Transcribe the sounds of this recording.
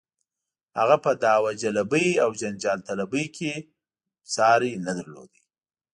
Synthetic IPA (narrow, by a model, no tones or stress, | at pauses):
ha̰ɣapəd̪ɑwad͡ʒalabəjawd͡ʒand͡ʒɑlt̪alabəjkʰe | sɑɾinad̪əɾlo̰d̪i